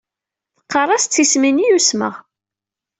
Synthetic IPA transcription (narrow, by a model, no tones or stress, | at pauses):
θə̥qːɑrˤɑst͡sːisminijusmə̰ʁ